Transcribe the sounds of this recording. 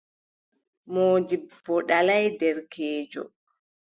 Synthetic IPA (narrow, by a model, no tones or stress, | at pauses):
moːd͡ʒib̥ɔɗalajdɛɾkʰɛːd͡ʒɔ̰